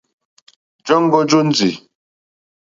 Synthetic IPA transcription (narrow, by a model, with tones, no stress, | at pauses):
d͡ʒɔ˦ŋ˦ɡɔ˦d͡ʒo˦n̩˦d͡zi˨